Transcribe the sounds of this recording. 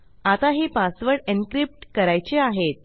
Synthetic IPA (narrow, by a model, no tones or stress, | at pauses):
at̪aɦiːpasʋəɾɖenkɾip̚ʈkəɾajt͡ɕeaɦet̪̚